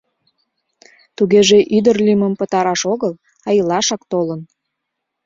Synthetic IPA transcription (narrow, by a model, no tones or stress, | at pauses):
t̪uɣeʒeʔyd̪ərlʲiməmpət̪ɑɾɑʃoɣəl | ɑjəlɑʃɑkt̪olən